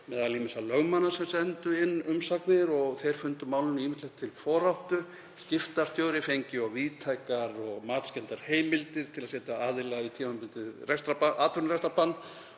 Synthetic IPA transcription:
mɛðaliːmɪsalœɣmanːasɛmsɛnt̪ʏɪnːʏmsaknɪɾɔɣθejɾ̥fʏnt̪ʏmawlʏniːmɪht̪lɛxt̪ʰɪlfɔːɾawht̪ʏ | scɪft̪aɾ̥st̪jowɾɪfejɲcɪɔɣviːt̪ʰajkaɾɔɣmaːt̪scɛnt̪aɾ̥heːjmɪlt̪ɪɾ̥t̪ʰɪlaðsɛːt̪aaːðɪlaɣit̪ʰiːmanpʏnt̪ɪrɛst̪ɾapaʔaːt̪vʏɾnɾɛst̪ɾapanː

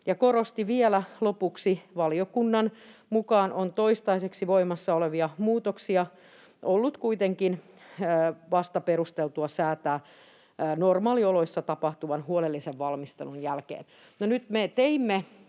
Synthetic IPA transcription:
jɑkoɾost̪iʋielælopuksiʋɑliokunːɑnmukɑːnʔont̪oist̪ɑiseksiʋoimɑsːɑoleʋiɑmuːt̪oksiɑ | ʔolːut̪kuit̪eŋkinː | ʋɑst̪ɑperust̪elt̪uɑsæːt̪æː | normɑːlioloisːɑt̪ɑpɑht̪uʋɑnhuolelːiseʋʋɑlmist̪ḛlunjælkḛːn | nonyt̪met̪eimːe

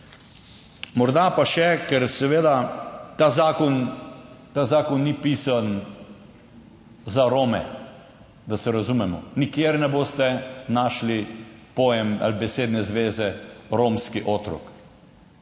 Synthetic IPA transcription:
mɔɾd̪apaʃɛkɛɾsɛʋeːd̪at̪azaːkɔn | t̪azaːkɔnːipiːsan | zaɾoːmɛ | d̪asɛɾazumɛmɔ̰nikjeɾnɛboːst̪ɛnaːʃlipoːjɛma̰libɛseːd̪nɛzʋeːzɛɾoːmskiʔoːt̪ɾɔ̰k

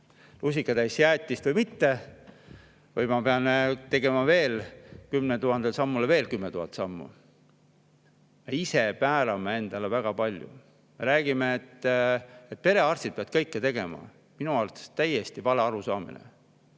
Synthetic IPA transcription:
lus̬ʲikːɑd̪æjsjæːt̪ʲːist̪vɯjmit̪ːe̞ | vɯjmɑpe̞ɑnt̪e̞ɡ̥e̞mɑve̞ːlkymnet̪uɦɑnd̪̥elsɑmːulve̞ːlkymnet̪uhɑt̪sɑmːṵ | me̞ise̞pæːɾɑmee̞nd̪̥ɑlevæɡ̥ɑpɑlʲjṵ | me̞ɾæːɡ̥imeːt̪ː | et̪̚pe̞ɾe̞ɑrst̪id̪̚peɑd̪̥̚kɤjkːet̪e̞ɡ̥e̞mɑ̰ | minuɑlt̪st̪ːæjest̪ivɑleɑɾusɑːmḭnḛ

